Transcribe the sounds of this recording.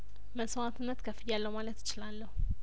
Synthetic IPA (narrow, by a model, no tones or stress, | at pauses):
məsoat̪ʰɨnːət̪kʰəfɨjalːəwmalət̪ːɪ̥t͡ʃɪlalːəhu